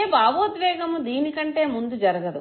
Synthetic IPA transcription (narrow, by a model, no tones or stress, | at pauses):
baːʋoːd̪ʋɛːɡɐmud̪iːnikɐɳʈe̞ːmund̪ud͡ʒɐɾɐɡɐd̪u